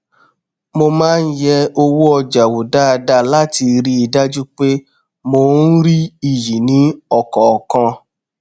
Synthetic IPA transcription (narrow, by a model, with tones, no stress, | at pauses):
mo˧mãː˦n̩˦jɛ˦o˧wu˦ɔ˧d͡ʒa˨wo˨da˦a˧da˦la˦ti˧ɾi˦i˨da˦d͡ʒu˦k͡pe˦ | mo˧n̩˦ɾi˦i˦˨ji˨nĩ˨˦ɔ˦˨kɔ˨kã˧